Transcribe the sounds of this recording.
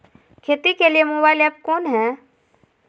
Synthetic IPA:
kʰeːt̪ikelijemoːbaːɪlɛːp̚kɔːnɦɛː

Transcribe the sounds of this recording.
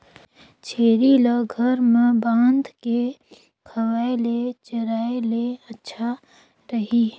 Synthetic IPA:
t͡ʃʰeːɾiləɡʱəɾmbãːnd̪ʱke | kʰəʋaːelet͡ʃəɾaːeleətːʃʰa | ɾəɦi

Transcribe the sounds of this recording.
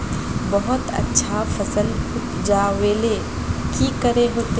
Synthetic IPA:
bɐɦʊt̪ɐ̰tːʃʰafɐsəl | d͡ʒaweːle | kikəɾeɦoːt̪e

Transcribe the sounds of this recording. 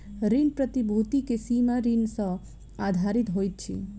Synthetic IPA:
ɾinpɾət̪ibʱut̪ikesimaɾinsɔ | ad̪ʱaɾit̪ɦojt̪̚t͡ʃʰḭ

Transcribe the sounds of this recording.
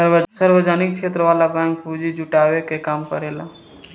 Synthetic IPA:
əɾəsəɾʋəd͡ʒaːnɪk̚kʃʰeːt̪ɾəʋaːlabɛ̃ːŋk̚pud͡ʒid͡ʒʊʈaːʋekekaːmkəɾeːla

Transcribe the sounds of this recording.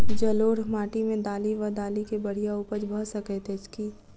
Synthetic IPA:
d͡ʒɐloːɾmaːʈimẽd̪aːliʋəd̪aːlikebɐɽ̤ijauːpəd͡ʒbʱəɦsəkɛt̪eːt͡ʃki

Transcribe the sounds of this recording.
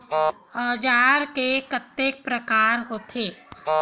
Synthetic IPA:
əd͡ʒaːɾkekət̪ːeːk̚pɾəkaːɾɦoːt̪ʰeː

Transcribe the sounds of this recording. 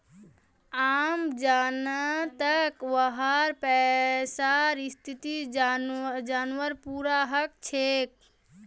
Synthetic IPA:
amd͡ʒanat̪əkʋəɦaɾpɛsaɾist̪ʰit̪i | d͡ʒanʋəɾpuɾaɦək̚t͡ʃʰek̚

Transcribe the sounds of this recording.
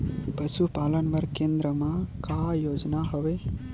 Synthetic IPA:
pəsupaːlənbəɾkẽnd̪ɾəmãkajoːd͡ʒnaɦəʋe

